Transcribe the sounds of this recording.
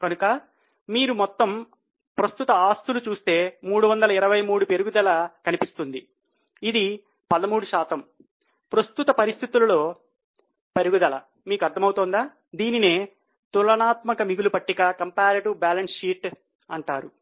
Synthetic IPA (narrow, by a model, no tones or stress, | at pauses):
kɐnukɐ | miːɾumɔt̪ːɐm | pɾɐst̪ut̪ɐaːst̪ʰulut͡ʃuːst̪e̞ːmuːɽuʋɐnd̪ɐlɐiɾɐʋɐjmuːɽupeɾuɡud̪ɐlɐkɐnipist̪und̪iː | d̪i | pɐd̪ɐmuːɽuʃaːt̪ɐm | pɾɐst̪ut̪ɐpɐɾist̪ʰit̪ulɐlo̞ː | pe̞ɾuɡud̪ɐlɐ | miːkuɐɾd̪ʰʱɐmɐwut̪oːnd̪aː | d̪iːnine̞ː | t̪ulɐnaːt̪mɐkɐmiɡulupɐʈːiɡakɐmpaːɾiʈubaːlɐnsʃiːʈ | ɐɳʈaːɾu